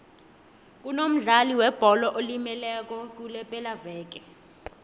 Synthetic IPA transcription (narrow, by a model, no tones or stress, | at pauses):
k̬unom̩ɮaliwɛb̥ʱɔlɔʔolimɛlɛk̬ɔk̬ulɛpʼɛlavɛːk̬ɛ